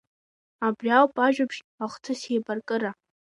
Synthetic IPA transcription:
abrjawpʼaʒᶣapʰʂ | aχtʰɨsejbarkʼɨɾa

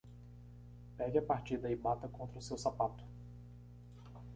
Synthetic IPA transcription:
pɛɡɪɐpaɾt͡ʃid̪ɐɪbat̪ɐkõnt̪ɾɐʊsewsapat̪ʊ̥

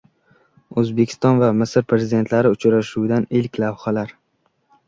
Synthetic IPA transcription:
ɵzbekʲʰɪ̥st̪ɒnvamɪsɪɾpʰɾe̞zɪd̪e̞nt̪laɾɪʊt͡ʃɾaʃuwd̪anɪlkʲlavhalaɾ

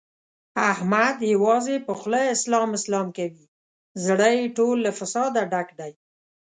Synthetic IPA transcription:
ahmad̪jawɑzepəxləjɪslɑmɪslɑmkawi | zɽəjʈolːafɪsɑd̪aɖakɖ̪aj

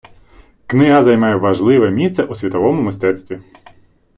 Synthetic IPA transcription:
knɪɦazɐjmɑjɛʋɐʒlˠɪʋɛmʲist̪sɛʔusʲʋʲit̪ɔʋɔmʊmɪst̪ɛt̪st̪ʲʋʲi

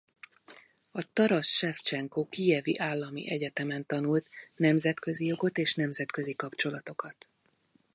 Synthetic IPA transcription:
ɒt̪ɒɾɒʃʃɛft͡ʃɛŋkoːkijɛvḭʔaːlːɒmḭʔɛɟɛt̪ɛmɛnt̪ɒnult̪nɛmzɛt̪kø̞zijo̞ɡo̞t̪eːʃnɛmzɛt̪kø̞zikɒpt͡ʃo̞lɒt̪o̞kɒt̪

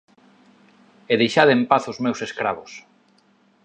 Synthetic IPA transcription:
eðejʃaðempaθʊzmewseskɾaβʊs

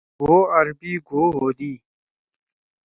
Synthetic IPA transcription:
woːɐɾbiːɡʱoːɦoːd̪iː

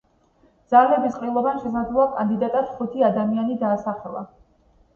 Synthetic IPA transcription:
d̪z̥alɛbisqʼilˠɔbanʃɛsad̪zlˠɔakʼand̪id̪at̪ʼad̪χut̪ʰiad̪amianid̪aːsaχɛlˠa̰

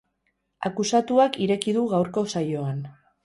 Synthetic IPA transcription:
a̰kusat̪uakiɾe̞kiðuɣawɾko̞sajo̞an

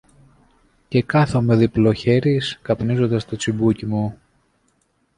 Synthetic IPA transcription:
ce̞kɐθo̞me̞ðiplo̞çe̞ɾiskɐpnizo̞nd̪ɐst̪o̞t͡sibucimu

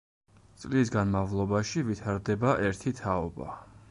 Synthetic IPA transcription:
t̪sʼlisɡanmavlˠɔbaʃivit̪ʰaɾd̪ɛbaʔɛɾt̪ʰit̪ʰaɔba̰

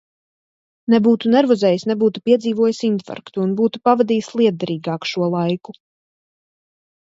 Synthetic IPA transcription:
nebuːt̪unɛɾvɔzɛːjisnɛbuːt̪upiɛd̪ziːvuɔjasint̪fa̰ɾkt̪uːnbuːt̪upavad̪iːsʲlˠiɛd̪̚d̪aɾiːɡɑːkʃuɔlˠajku

